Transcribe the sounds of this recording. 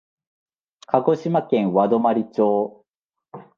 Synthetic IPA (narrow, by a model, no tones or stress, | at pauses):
kʰaɡo̞ɕimakẽ̞ɰ̃βad̪o̞maɾʲit͡ɕo̞ː